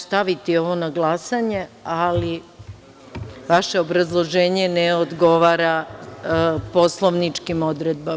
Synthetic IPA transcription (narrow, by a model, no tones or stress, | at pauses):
st̪aʋit̪io̞ʋo̞naɡlasaɲe̞ali | ʋaʃe̞obɾazlˠoʒeːɲeneod̪ɡo̞ʋaːɾa | po̞slˠoʋnit͡ʂkimo̞d̪ɾed̪̚ba